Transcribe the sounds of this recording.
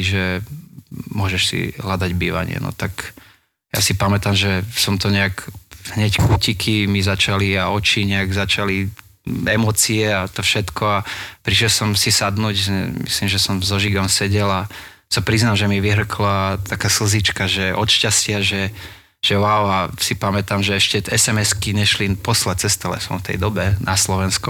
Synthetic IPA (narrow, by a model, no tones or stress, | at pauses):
ʒɛ | mʊɔʒɛʃsḭɦlad̪aɟbiːʋa̰ɲɪ̰ɛ̰nɔ̰t̪ak | ja̰sipamɛt̪amʒɛsɔmt̪ɔɲɛakɦɲɛckuːcikʰimizat͡ʃaliaɔt͡ʃiɲɛaɡzat͡ʃali | ɛmɔːt͡siɛat̪ɔfʃɛt̪kɔapɾiʃjɛlsɔmsisad̪nuːcsɛmḭslimʒɛsɔmzɔʒiɡɔmsɛɟɛla | sapɾiznalʒɛmiʋiɦr̩klat̪ʰakaːsl̩zit͡ʃkaʒɛʔɔt̪ʃcascɪaʒɛ | ʒ̥ɛʋaʊasipamɛt̪amʒɛɛʃcɛɛsɛmɛskiɲɛʃlinpɔslat͡sɛst̪ɛlɛ̰sɔ̰̃mft̪ɛ̰jd̪ɔbɛnʔaslɔʋɛnskɔ